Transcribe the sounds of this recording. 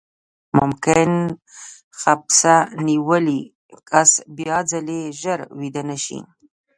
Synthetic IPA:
mʊmkɪn | xapsaniwəli | kasbjɑd͡zaleʒəɾwid̪ənaʃḭ

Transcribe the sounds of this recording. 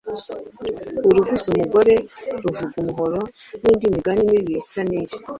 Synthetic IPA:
uɾuvisumuɡo̞ɾe̞ɾuvuɡumuɦoɾo | niːndimiɡanimiβjesaniɾi

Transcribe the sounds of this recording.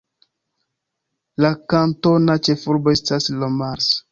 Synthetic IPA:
lakantonat͡ʃefuɾboestaslomaɾs

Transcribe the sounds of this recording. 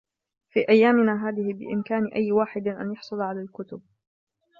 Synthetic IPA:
fiːʔajːaːmɪnaːɦaːðɪhɪbɪ̰ʔɪ̰mkaːnɪʔajːwaːħɪd̪ɪʔa̰njɑħsˤʊlʕalaːlkʊt̪ʊb̚

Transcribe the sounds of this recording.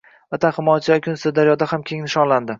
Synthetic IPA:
at̪ʰahɪmɒjat͡ʃʰɪvakʲʰʊnsɪd̪aɾjɒd̪ahamkʲʰe̞ŋnɪʃɒnland̪ɪ

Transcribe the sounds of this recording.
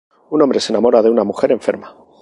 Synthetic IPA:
unombɾe̞senamo̞ɾaðe̞unamuxe̞ɾẽ̞ɱfe̞̰ɾma

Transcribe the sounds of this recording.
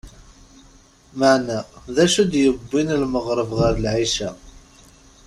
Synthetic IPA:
maʕnæðæʃud̪jəbːinlməʁɾˤəvʁəɾlʕiʃæ

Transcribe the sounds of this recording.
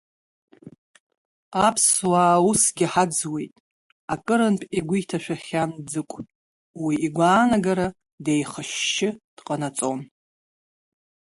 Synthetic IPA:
apʰswaːusɡʲɪħad͡zwe̞jtʼ | akʼɨɾɨnpʼiɡʷʊjtʰaʃᶣʷaχʲand͡zɨkʷʼ | wiːɡʷaːnaɡaɾa | dejχəʃːɪd̥qʼanat͡sʼon

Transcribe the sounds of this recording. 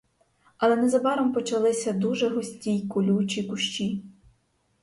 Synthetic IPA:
ɐlˠɛnɛzɐbɑɾɔmpɔt͡ʃɐlˠɪsʲɐd̪uʒɛɦɔsʲtʲijkʊlʲut͡ʃʲikʊʃt͡ʃi

